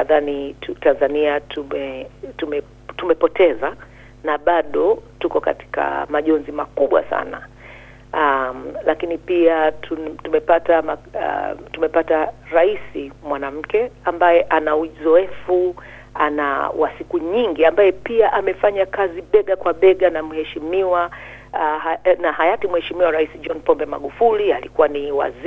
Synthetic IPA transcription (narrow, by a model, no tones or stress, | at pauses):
naðaniutanzaniatʰumɛtumɛ | tumɛpɔtɛza | naɓaɗɔtukɔka̰ti̥ka̰maʄɔnzimakuɓwa̰sa̰na̰ | alakinipiatʰutumɛpatama̰ | tumɛpataɾaisimwanam̩kɛambajɛʔanauzɔɛfu | ana̰wʔa̰sikuɲiŋɡiambajɛpiaʔamɛfaɲakaziɓɛɠakwaɓɛɠanamuhɛʃimiwa | naɦajatimuhɛʃimiwaɾaisid͡ʒɔnpɔmbɛma̰ɠufulialikuwaniwa̰z